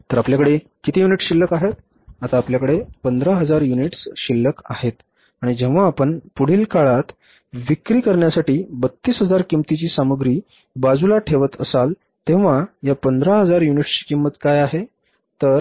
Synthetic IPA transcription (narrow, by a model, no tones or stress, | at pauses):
t̪əɾapljakəɽe | kit̪ʰijuniʈɕilːəkaɦet̪̚ | at̪aːpljakəɽepənd̪ɾaɦəd͡zaɾjuniʈsɕilːəka̰het̪ | aɽ̃id͡ʑeʋ̤aːpəɳpuɽ̤iːlkaɭat̪ | ʋikɾiːkəɾɳjasaʈiːbət̪ːiːsɦəd͡zaɾkimt̪it͡ɕiːsaməɡɾiː | bad͡zulaʈʰeʋət̪ə̰sal | t̪ẽʋ̤ajapənd̪ɾaɦəd͡zaɾjuniʈskimːət̪kajaɦe | t̪əɾ